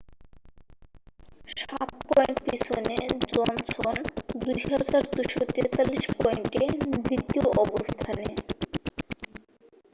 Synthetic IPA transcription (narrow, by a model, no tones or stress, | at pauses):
ʃat̪̚pɔjɳʈpisʰoned͡ʑɔnt͡ɕʰɔnd̪ujɦad͡ʑaɾd̪ujʃot̪et̪alːiʃpɔjiɳʈed̪ɾit̪ːioʔɔbost̪ʰane